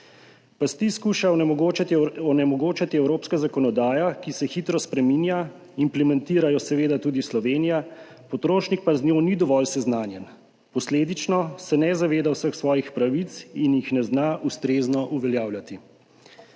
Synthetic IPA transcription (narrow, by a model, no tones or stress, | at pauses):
past̪iskuːʃaot͡ʃat̪iɔnɛmɔɡoːt͡ʃat̪iɛwɾoːpskazakɔnɔd̪aːjakisɛxit̪ɾɔspɾɛminja | implɛmɛnt̪iːɾajɔsɛʋeːd̪at̪uːd̪islɔʋeːnija | pɔt̪ɾoːʃnik̚paznʲjoːnid̪ɔʋɔlsɛznaːnjɛn | pɔsleːd̪it͡ʃnɔsɛnɛzaʋeːd̪awsəxsʋɔːjixpɾaʋit͡ssinjixnɛznaʔust̪ɾeːznɔʔuʋɛljaːwlʲat̪i